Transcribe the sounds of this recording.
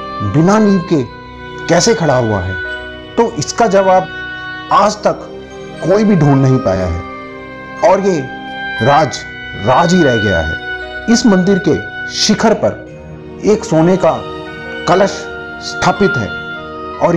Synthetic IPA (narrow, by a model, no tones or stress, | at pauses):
bɪnaniːʋke | kɛːsekʰɐɽaɦʊa̰ɦɛ̰ː | t̪oːʔɪskad͡ʒɐʋaːbaːd͡ʒt̪ɐkː | oːibʱiɖʱuːnːɐɦĩpa̰ːja̰ɦɛ̰ː | ɔːɾje | ɾaːd͡ʒ | ɾaːd͡ʒɦiɾɛɦɡɐja̰ɦɛ̰ːɪsmɐ̃nd̪ɪɾkeʃɪkʰəɾpɐ̰ɾ | eːksoːneka | kɐləʃ | st̪ʰaːpɪt̪ɦɛ̰ː | ɔːɾ